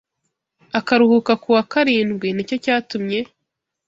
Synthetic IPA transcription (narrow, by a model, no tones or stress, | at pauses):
akaɾuhukakuwakaɾiːnɡwinico̞caːtumɲe̞